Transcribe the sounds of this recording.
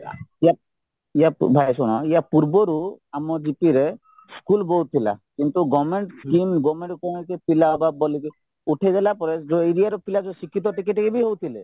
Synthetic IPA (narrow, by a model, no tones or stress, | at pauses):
ija | ijabʱajsuɽ̃ɔ̰ijapuɾbɔɾuamɔd͡ʒipiɾe | skulbɔwt̪ʰila̰kint̪uɡɔmeɳʈskimɡɔmeɳʈkɔkepilababɔlike | uʈʰajdalapɔɾed͡ʒoiɾijaɾɔpilad͡ʒɔsikʰːit̪̬ɔʈikiʈkebiɦowt̪ʰile